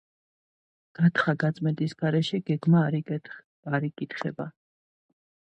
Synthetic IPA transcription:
ɡ̥at̪ʰχaɡat̪sʼmɛnt̪ʼisɡ̥aɾɛʃɛɡ̥ɛɡmaɾi | aɾikʼit̪ʰχɛ̰ba

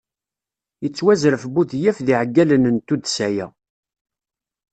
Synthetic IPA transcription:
jət͡sːwæzɾəfbuθjæfðiʕɡːælənnt̪ud̪sæjæ

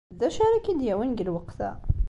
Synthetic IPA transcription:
zæʃæɾækid̪jæwənɡəlwɑqθæ̰

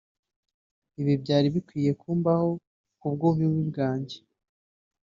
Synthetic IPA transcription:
iβibɟaːɾiβikwiːje̞kuːmbaho̞ | kub̚ɡoβiwibɡaːɲɟe̥

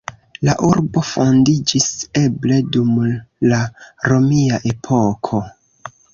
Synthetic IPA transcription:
laʔuɾbo̞fo̞ndid͡ʒise̞ble̞dumlaɾo̞miaʔe̞pʰo̞kʰo̞

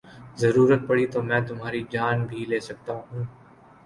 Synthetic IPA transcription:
zɐɾuːɾət̪̚pɐɽit̪oːmɛ̃ːt̪ʊmɦaːɾid͡ʒaːnbʱileːsɐk̚t̪aɦũː

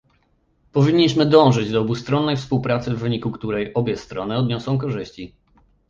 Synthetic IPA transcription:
pɔvʲiɲːiɕmɘd̪ɔ̃w̃ʐɘd͡ʑd̪ɔːbust̪ɾɔnːɛjfspuwpɾat̪sɘvːɘɲikukt̪uɾɛjʔɔbʲjɛst̪ɾɔnɘɔd̪ɲɔsɔ̃w̃k̬ɔʐɘɕt͡ɕi

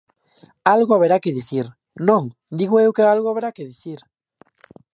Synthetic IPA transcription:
alɣoaβeɾakeðiθiɾ | nõŋ | d̪iɣoewkealɣoaβeɾakeðiθiɾ

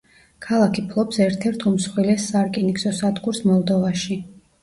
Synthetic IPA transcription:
kʰalˠakʰipʰlˠɔpsɛɾt̪ʰɛɾt̪ʰumsχwilɛsːaɾkʼiniksɔsad̪ɡuɾsmɔlˠd̪ɔvaʃi

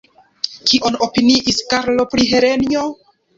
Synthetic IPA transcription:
kiʔo̞no̞piniʔiskaɾlo̞pɾiɦe̞ɾenio̞

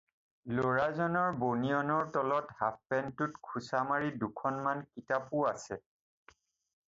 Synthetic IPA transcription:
loɹazɔnɔɹbonijɔnɔɹtɔlɔthap̚ʰpɛntutkʰusamaɹidukʰɔnmankitapʊasɛ

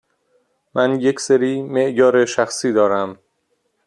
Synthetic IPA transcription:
mʔænjekseɾiːmeʔjɒːɾeʃæxsiːd̪ɒːɾæm

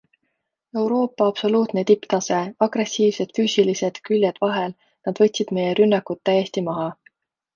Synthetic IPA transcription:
e̞wɾo̞ːpːˑɑɑb̥so̞luːt̪ne̞t̪ipt̪ɑse̞ɑɡ̥re̞sːiːvse̞d̪̥fyːsilise̞d̪̥kylʲjed̪̥vɑɦel | nɑd̪̥vɤ̞t̪ʲsid̪̥me̞je̞ɾynːɑkːut̪ːæje̞sʲt̪imɑɦɑ

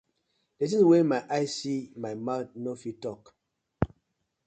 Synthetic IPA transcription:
d̥et̬ĩwemaɪʔaɪsimajmatnofitɔk

